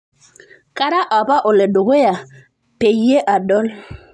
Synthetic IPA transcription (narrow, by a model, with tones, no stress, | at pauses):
ka˦ɾa˦ʔa˨ba˦ʔo˨le˨do˨we˦ja˨ | pe˨je˦ʔa˨dɔ˦l